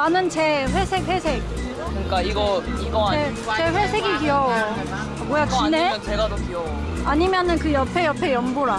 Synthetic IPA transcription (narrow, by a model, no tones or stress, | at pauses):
anɯnt͡ɕe̞ɸwesʰek̚ɸwe̞sʰek | kɯɲik͈aiɡʌiɡae | t͡ɕe̞ɸwesʰeɡikiʌo | mojat͡ɕneʌnt͡ɕeɡadokiʌ | aɲimjʌnɯnkɯjʌpʰejʌpʰejʌmboɾa